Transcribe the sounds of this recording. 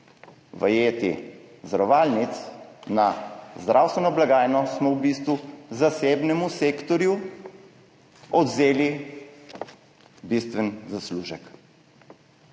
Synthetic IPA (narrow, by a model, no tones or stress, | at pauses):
ʋɐ̰jeːt̪ḭ | zd̪ɾɔʋaːlnit̪snazd̪ɾʔawst̪ʋɛnɔblaɡaːjnɔsmɔwbist̪ʋuzaseːbnɛmuseːkt̪ɔɾju | ɔd̪zeːli | bist̪ʋɛnzasluːʒək